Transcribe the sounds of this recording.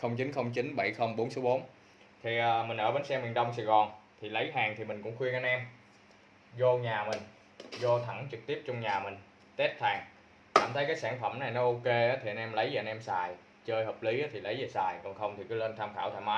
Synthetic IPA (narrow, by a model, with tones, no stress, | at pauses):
xə˧wŋ͡mt͡ɕi˨˦nxə˧wŋ͡mt͡ɕi˨˦nɓa˧˩jxə˧wŋ͡mɓo˨˦nsə˨˦wɓo˨˦n | t̪ʰi˨˩ʔəː˨˩mï˨˩ŋ̟ʔəː˧˩ɓe˨˧nsɛ˧mi˨˩ənɗə˧wŋ͡msa˧˩jɣɔ˨˩nt̪ʰi˨˩lə˨˦jɦaː˨˩ŋt̪ʰi˨˩mï˨˩ŋ̟kʊ̰˧˥ŋ͡mxwi˧əŋaː˧nʔɛ˧m | zo˧ɲaː˨˩mï˨˩ŋ̟ | zo˧t̪ʰə˧˩ŋt͡ɕɨ˨˩k̚t̪i˦˥əp̚t͡ɕɔ˧wŋ͡mɲaː˨˩mï˨˩ŋ̟ | t̪e˦˥t̚t̪ʰaː˨˩ŋ | ka̰ː˧˩mt̪ʰə˨˦jkaː˨˦jsaː˧˩ŋfə˧˩mna˨˩jnɔ˨˦ʔo˧ke˧aː˨˦t̪ʰi˨˩ʔə˧nʔɛ˧mlə˨˦jzəː˨ə˧nʔɛ˧msaː˨˩j | t͡ɕəː˧jhəː˨˩p̚li˨˦ʔaː˨˦t̪ʰi˨˩lə˨˦jzə˨˩saː˨˩jkɔ˨˩nxə˧wŋ͡mt̪ʰi˨˩kɨ˨˦lə˧nt̪ʰaː˧mxaː˧˩t̪aː˧˩jmaː˨˦j